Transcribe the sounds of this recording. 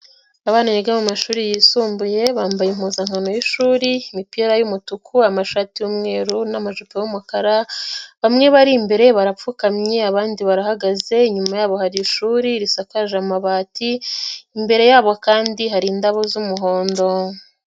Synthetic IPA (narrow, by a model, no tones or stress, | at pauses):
aβaːnajeɡamumaʃuːɾijiːsuːmbuje̞βaːmbajem̥uːzaŋhano̞jiʃuːɾiimipiːɾajumutukʰuamaʃaːtijumŋe̞ːɾunamaʒupejumukaɾaβamŋe̞βaɾiːmbe̞ɾe̞βaɾap͡fukamɲe̞aβaːndiβaɾahaɡaze̞iɲumajaːβo̞haɾiːʃuːɾiɾisakaʒamaβaːtiː | mbe̞ɾe̞jaːβo̞kaːndiɦaɾiːndaβo̞zumuɦo̞ːndo̞